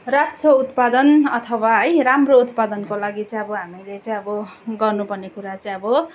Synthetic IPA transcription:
rat̪sout̪pad̪ʌnʌt̪ʰʌwaɦʌjɾamrout̪pad̪ʌnkolaɡit͡sʌj̃ʌbʌɦamilet͡sʌĩʌbʌɡʌrnupʌrnekuɾat͡sʌĩʌbʌ

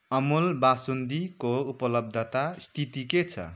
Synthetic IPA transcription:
ʌmulbasund̪ikoupʌlʌb̚d̪ʱʌt̪ast̪ʰit̪iket͡sʰʌ̰

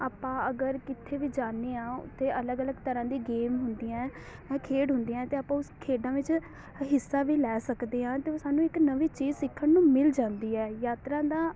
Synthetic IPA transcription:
aːpãːəɡəɾkɪt̪ʰeːʋiːd͡ʒaːnːeːãːʊ̰t̪ʰːeːələɡələɡt̪əɾãːd̪iːɡeːmɦʊnd̪iːɛ̃ː | ɛ̃ːkʰeːɖɦʊ̃nd̪iːaɛ̃ːt̪eːaːpãːʊskʰeːɖãːʋɪt͡ʃ | ɦɪsːaːʋiːlɛːsəkd̪eːãːt̪eːoːsaːnũːɪknəʋiːt͡ʃiːzsɪkʰːənnũːmɪld͡ʒãːnd̪iːɛːjaːt̪ɾãːd̪aː

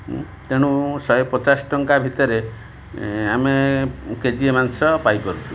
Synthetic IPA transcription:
t̪eɽ̃ũsɔjepɔt͡ʃasɔ̥ʈɔŋkabʱit̪ɔɾe | ameked͡ʒiemansɔpajpɔɾut͡ʃʰu̥

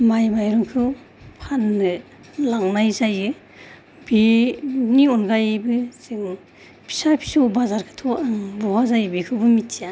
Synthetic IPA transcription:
majmajɾuŋkʰɯw | pʰanːɯ | laŋnajzajɯ | biniɔnɡajbɯz̥ɯŋ | pʰi̥sapʰi̥sɔbazaɾkʰɯ̥tʰɔaŋbɔwazajɯbikʰɯwbɯmitʰija

